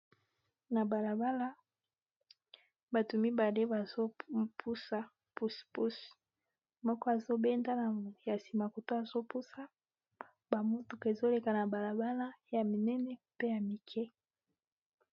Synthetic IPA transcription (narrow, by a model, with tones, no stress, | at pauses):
na˨ba˨la˨ba˦la˦ | ba˨tu˨mi˦ba˨de˦ba˨zo˦pʰu˦sa˨ | pu˦spu˦s | mɔ˦kɔ˦a˨zo˦bɛ˦nda˦na˨ja˨si˨ma˨ko˨to˦a˨zo˦pu˦sa˦ | ba˨mo˦tu˨ke˨zo˦le˨ka˨na˨ba˨la˨ba˦la˦ja˨mi˨nɛ˦nɛ˦pe˦ja˨mi˨kʰɛ˦